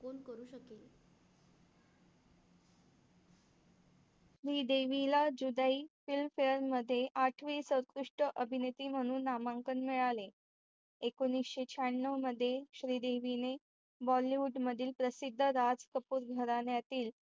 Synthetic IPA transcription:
konkəɾuːɕəkel | ɕɾiːd̪eʋilad͡ʑud̪aifilmfeəɾməd̪ʱːjeʔaʈʰʋisəwɾkɾuʂʈəʔəbʱinet̪iːm̤əɽ̃uːnːamaŋkənmiɭale | ekonːisɕet͡ɕʰaɳnəʋməd̪ʱːjeɕɾiːd̪eʋine | bɔliʋuɖməd̪ʱiːlpɾəsid̪ʱːəɾad͡zkəpuːɾɡʱəɾanjat̪iːl

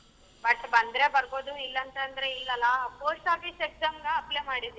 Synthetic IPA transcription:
bɐʈːbɐnd̪ɾe̞bɐɾɡoːd̪uilːɐnt̪ɐnd̪ɾeilːɐlːɐpoːsaːfisekzaːmɡɐɐplemaːɽid̪i

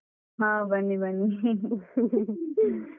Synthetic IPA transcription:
ɦãbʱɐnːibʱɐnːi

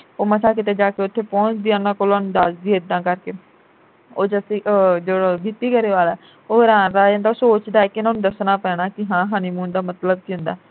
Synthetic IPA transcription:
oːməsaːk̬ɪt̪eːd͡ʒaːkeːʊt̪ʰːeːpɔ̃ːt͡ʃd̪iːãːnãːkoːlaːnũːd̪aːsd̪iːɪd̪ːãːkəɾkeː | oːd͡ʒəsiːd͡ʒoɽoɡɪt̪iːkəɾeːʋaːlaː | oːɾãːɾaːd͡ʒẽːnd̪aːsoːt͡ʃd̪aːɛːkɪnãːnũːd̪əsnaːpɛːɽ̃aːkɪɦãːɦaːniːmũːnd̪aːmət̪ləb̚kiʊ̃nd̪a̰ː

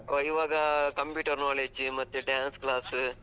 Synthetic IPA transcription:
oɪʋaːɣɐkɐmpjuːʈɐɾnaːleːd͡ʒɯmɐt̪ːɯɖjaːnskɭaːsɯ

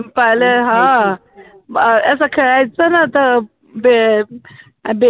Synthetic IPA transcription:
paleɦã | əsəkʰəɭajt͡sənat̪ə | be | be

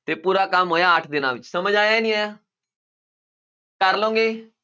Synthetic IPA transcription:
t̪epuːɾakamɦoːjaːʈʰd̪ɪnã̰ʋɪt͡ʃsəməd͡ʒaːjaenĩajaː | kəɾlõːŋɡeː

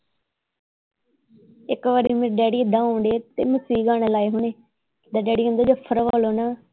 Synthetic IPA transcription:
ɪkʋaːɾiːmẽːɾɖɛːɽiːɪd̪ãːõːɳɖeːt̪eːməsiːɡaːɽ̃eːlaːeːɦʊɳeː | d̪aːɖɛːɽiːʊ̃nd̪aːd͡ʒoːpʰəɾʋaːloːnaː

